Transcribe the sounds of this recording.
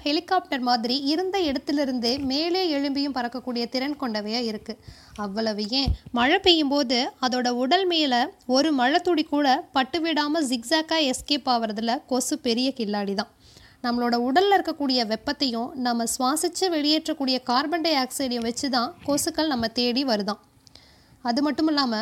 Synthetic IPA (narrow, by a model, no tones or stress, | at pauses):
hɛlɪkːaːp̚ʈɐɾmaːðɪɾiɪɾɯnd̪ɐɛɽɐt̪ːɪlɪɾɯnd̪ɯmeːleːɛɻɯmbɪjɯ̃mpɐɾɐkːɐkːuːɽɪjɐt̪ɪɾɐnkɔɳɖɐʋɐjaːɪɾɯkːɯ | ɐʋːɐɭɐʋɯjẽːmɐɻɐpːejɯmpoːðɯɐðoːɽɐʊɽɐlmeːlɐɔɾɯmɐɻɐt̪ːuɽikuːɽɐpɐʈːɯʋɪɽaːmɐsɪksaːkːaːɛskeːpaːʋɯɾɐðɯlɐkoːsɯpɛɾɪjɐkɪlːaːɽiðãː | nɐmːɐɭoːɽɐʊɽɐllɪɾɯkːɐkːuːɽɪjɐʋɛpːɐt̪ːɐjʊ̃nɐmːɐsʋaːsɪt͡ʃːɯʋɛɭɪjeːʈrɐkːuːɽɪjɐkaːɾbɐɳɖɐaːksɐɪɽɐjʊ̃ʋɐt͡ʃːɯt̪ãːkoːsɯkːɐɭnɐmːɐt̪eːɽiʋɐɾɯðãː | ɐðɯmɐʈːɯmɪlːaːmɐ